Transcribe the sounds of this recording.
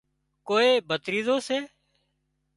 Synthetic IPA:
koːeːbʱət̪ɾiːzoːseː

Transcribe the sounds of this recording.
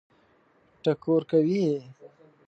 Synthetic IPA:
ʈakoɾkawi

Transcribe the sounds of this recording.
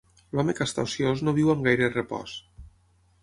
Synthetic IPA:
lɔmekast̪a̰wsjoznoβ̞iwaŋɡajɾerepɔ̰s

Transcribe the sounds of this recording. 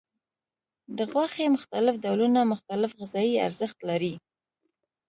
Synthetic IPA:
d̪əɣwɑxemʊxt̪alɪfd̪awlunamʊxt̪alɪfɣɪzɑjia̰ɾzəxt̪laɾi

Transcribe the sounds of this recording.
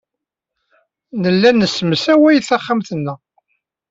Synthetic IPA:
nəlːænːəsːməsæwæjθæχːamθənːə

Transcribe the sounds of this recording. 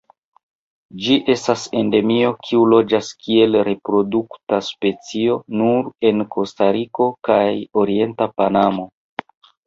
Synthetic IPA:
d͡ʒiʔe̞stase̞nde̞mio̞kʰiulo̞d͡ʒaskie̞lɾe̞pɾo̞duktaspe̞t͡sio̞nuɾe̞nkʰo̞staɾiko̞kajo̞ɾie̞ntapanamo̞

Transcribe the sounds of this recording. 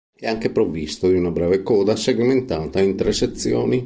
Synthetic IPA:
eaŋkepɾovist̪od̪iunabɾɛːvekɔːd̪aseɡment̪aːt̪aint̪ɾeset̪sːjo̰ːni

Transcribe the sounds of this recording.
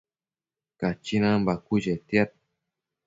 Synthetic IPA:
kat͡ʃinambakuʒet̪jat̪̚

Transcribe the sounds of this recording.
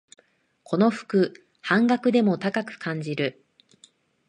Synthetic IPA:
kʰo̞no̞ɸɯ̥kɯ̟ | hãŋɡakɯ̟d̪e̞mo̞t̪akakɯ̟̥kʰãɲ̟d͡ʑiɾɯ̟

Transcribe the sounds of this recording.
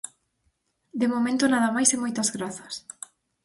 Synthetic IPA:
d̪emomẽnt̪onaðɐmajsemojt̪ɐzɣɾaθɐ̥s

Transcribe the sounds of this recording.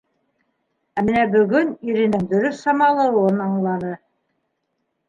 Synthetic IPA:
æmɘ̆næbɵ̆ɡɵniɾĭnd̪ɘnd̪ɵ̆ɾɵθːɑmɑlˠɤ̆wɤnɑɴlˠɑnɤ

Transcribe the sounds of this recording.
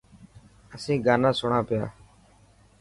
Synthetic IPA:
əsĩːɡaːnãːsʊɳãːpɪja̰ː

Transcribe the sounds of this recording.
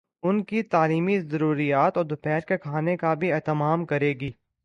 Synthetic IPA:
ʊnkit̪aːliːmizɐɾuːɾijaːt̪ɔːɾd̪ʊpɛːɾkekʰaːnekabʱiɛːt̪əmaːmkɐɾeːɡiː

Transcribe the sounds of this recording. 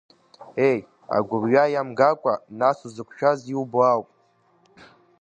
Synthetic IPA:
ej | a̰ɡʷʊrɥajamɡakʷʼanasuzɨkʷʰʃᶣaziuboawpʼ

